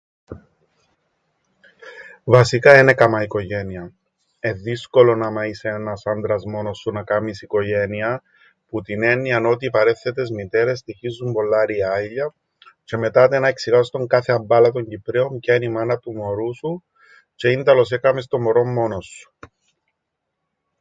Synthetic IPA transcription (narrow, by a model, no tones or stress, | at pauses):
vɐsikɐenekɐmɐiko̞ʝe̞niɐ | e̞ðisko̞lo̞nɐmɐiseenɐsɐnd̪ɾɐzmo̞nosːunɐkɐmisiko̞ʝe̞niɐ | put̪ine̞nːiɐno̞t̪iːpɐɾe̞θːet̪e̞zmit̪e̞ɾe̞s̬t̪içizːumbo̞lːɐɾiɐʎːɐ | ce̞me̞t̪ɐt̪enɐeksiɣɐst̪oŋkɐθe̞ɐmbɐlɐt̪o̞ɲɟipɾeo̞mcenimɐnɐt̪umo̞ɾusu | ce̞ind̪ɐlo̞s̬ekɐmest̪o̞mo̞ɾo̞mːo̞nosːu̥